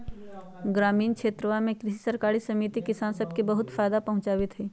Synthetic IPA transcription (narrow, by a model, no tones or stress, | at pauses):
ɡɾaːmiːnkʃeːt̪ɾəʋamẽkɾɪʃisɐɾkaːɾisɐmiːt̪ikɪsaːnsɐb̚kibɐɦʊt̪faːjd̪apɐɦʊ̃t͡ʃaːʋɪt̪ɦiː